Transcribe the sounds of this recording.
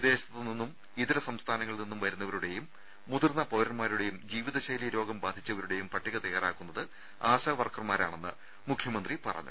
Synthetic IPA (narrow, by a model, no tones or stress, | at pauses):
d̪e̞ːɕɐ̥t̪ːilninːum | iðiɾɐsɐmst̪ʰaːnɐŋːɐɭninːumʋɐɾunːɐʋɐɾuɽe̞jumː | uðurnːɐpoːɾɐnmaːɾuɽe̞jumd͡ʑiːʋiðɐɕɐjlijɐɾo̞ːɡɐmbaːd̪ʱit͡ɕːɐʋɐɾuɽe̞jumpɐʈːiɣɐt̪ɐjaːraːkːunːɐðɨ | aːɕɐʋɐrkɐrmaːɾa̰ːɳe̞nːɨ̰ | mukʰjɐmɐnd̪ripɐ̰rɐ̰ɲːṵ